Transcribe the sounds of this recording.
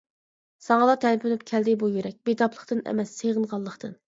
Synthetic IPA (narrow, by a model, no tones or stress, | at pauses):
sɑŋɑlˠɑt̪ʰɛnpʰynypkʲʰɛld̪ɪbujyɾɛk̚ʲbet̪ʰɑpʰlˠəχt̪ɨnɛ̰mɛsːeʁənʁɑlˠːəχt̪ɨn